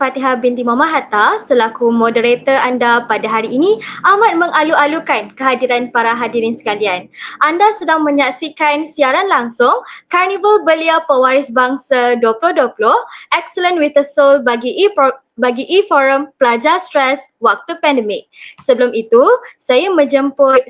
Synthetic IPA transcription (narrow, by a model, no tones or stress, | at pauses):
fat̪iɦabint̪imamãɦat̪asəlakumõdəɾet̪əandapadaɦaɾiːniʔamat̪̚məŋaluʔalukankəɦadiɾanpaɾaɦadiɾɪnsə̥kalianʔandasədaŋmə̃ɲaksikansiaɾanlaŋsʊŋkarnibəlbəliapəwaɾɪsbaŋsaduəpulʊhduəpulʊhʔɛk̚sələnwit̪əsolbaɡi | baɡiʔifɔɾəmpəlad͡ʒast̪ɾɛs | wak̚t̪upɛndəmɪk̚səbəlʊmit̪usajamə̃d͡ʒəmpʊ